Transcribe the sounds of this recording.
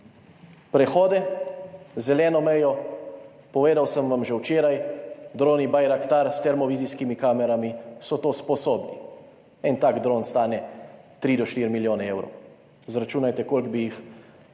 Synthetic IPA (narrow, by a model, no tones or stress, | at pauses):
pɾɛxɔːd̪ɛ | zɛlɛːnɔmɛjɔ | pɔʋeːd̪awsəmʋamʒɛwt͡ʃeːɾajd̪ɾoːnibajɾakt̪aɾst̪ɛɾmɔʋiːziskimikaːmɛɾamisɔt̪oːspɔsoːbni | ɛnt̪aːɡd̪ɾoːnst̪aːnɛt̪ɾid̪ɔʃt̪iːɾmiljoːnɛewɾo̰w | zɾat͡ʃuːnajt̪ɛkoːlɡbijix